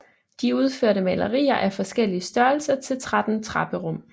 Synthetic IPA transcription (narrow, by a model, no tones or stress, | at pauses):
d̥iuð̞ˠføɐɾəmɛlʔɐʁḭːɐʔæfɒ̽sɡ̥el̰iəsd̥ɶɐl̩sɐt͡sʰe̝lt͡sʰʁɑd̥n̩t͡sʰʁɑ̈b̥əʁɔ̽m̰